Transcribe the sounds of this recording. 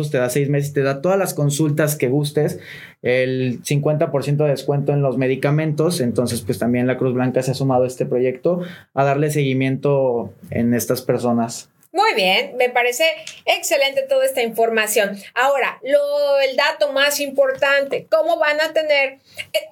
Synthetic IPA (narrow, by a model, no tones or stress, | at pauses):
os̬t̪e̞ðasejzme̞s̬est̪e̞ðat̪oðazlasko̞nsult̪aske̞ɣust̪e̞s | elsiŋkwe̞nt̪apo̞ɾsjent̪̬oðeeskwe̞nt̪oenlo̞zme̞ð̞ikamẽnt̪o̞se̞nt̪o̞nse̞spwe̞st̪ambje̞nlakɾuzβlaŋkaseasumað̞oe̞st̪e̞pɾo̞ʝe̞kt̪o̞aðaɾle̞s̬e̞ɣimjẽ̞nt̪o̞ḛne̞st̪aspe̞ɾso̞nas | mujβjenme̞paɾe̞se̞ːksele̞nt̪e̞t̪oðae̞s̬t̪aiɱfo̞ɾmasjo̞nao̞ɾaloeld̪at̪o̞masimpo̞ɾt̪ant̪e̞ko̞mo̞βanat̪e̞ne̞ɾ